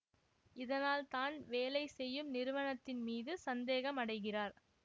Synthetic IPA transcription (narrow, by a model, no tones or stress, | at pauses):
ɪðɐnaːlt̪aːnʋeːlɐɪsɛjːɯmnɪɾɯʋɐnɐt̪ːɪnmiːðɯsɐnd̪eːɣɐmɐɽɐɪɣɪraːɾ